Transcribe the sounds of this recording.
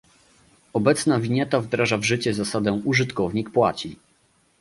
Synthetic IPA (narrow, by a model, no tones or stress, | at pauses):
ɔbɛt̪snavʲiɲɛt̪avd̪ɾaʐavʐɘt͡ɕɛzasad̪ɛ̃ʔuʐɘt̪kɔvɲik̚pwa̰t͡ɕi